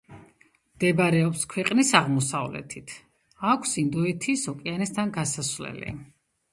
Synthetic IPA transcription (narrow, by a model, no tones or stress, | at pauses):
md̪̥ɛbɾɛɔpskʰwɛqʼnisaʁmɔsa̰vlɛ̰t̪ʰit̪ʰ | akʷʰsind̪ɔɛt̪ʰisɔkʼianɛst̪ʰanɡasasvlɛ̰lḭ